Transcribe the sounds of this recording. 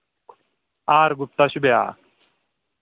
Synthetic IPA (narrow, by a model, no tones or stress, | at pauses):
aːɾɡup̚t̪ɐɕubeja̰ː